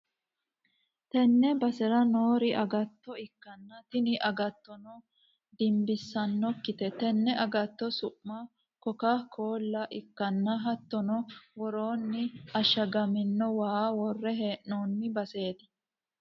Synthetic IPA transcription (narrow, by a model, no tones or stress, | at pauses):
t̪ɛnːɛbɐsɛɾɐno̞ːɾɪʔɐɡɐt̪ːɔɪkːɐnːɐt̪ɪnɪʔɐɡɐt̪ːɔnɔ | d̪ɪmbɪsːɐnːɔkːɪt̪ɛt̪ɛnːɛʔɐɡɐt̪ːɔsʊʔmɐ | kɔkɐkʰoːlːɐʔɪkːɐnːɐɦɐt̪ːɔnɔwɔɾoːnːɪɐʃɐɡɐmɪnːɔwaːwɔrːɛɦeːʔnoːnːɪbɐse̞ːt̪ɪ̥